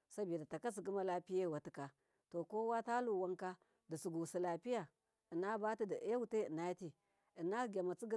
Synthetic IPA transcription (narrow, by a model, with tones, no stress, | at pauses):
sa˦bi˨da˨ta˨ka˦s̬i˨ki˦ma˦la˦pi˦ja˦wa˨ti˨ka˨ | to˨ko˦wa˦ta˦lu˦˨wa˦ŋka˦ | di˨su˨ɡu˨si˨la˨pi˦ja˨ | ə˨na˦ba˦ti˦di˨ʔja˦wu˦te˦ə˨na˦jti˦ | ə˨na˦˨ɡʲa˨ma˨t͡si˦ɡ